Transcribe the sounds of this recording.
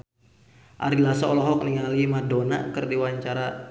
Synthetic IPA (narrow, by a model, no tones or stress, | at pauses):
ʔa̰ɾilasaɔlɔɦɔk̚niŋalimadona̰kɨrdiwaɲt͡ʃaɾa